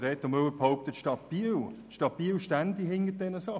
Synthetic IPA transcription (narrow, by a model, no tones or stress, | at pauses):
ɾɛːt̪omøwəphoʊp̚t̪ətʃtɑt̚b̥il | ʃtɑt̚b̥iːwʃtændiɦɪŋːət̚d̥ɛnəsɑ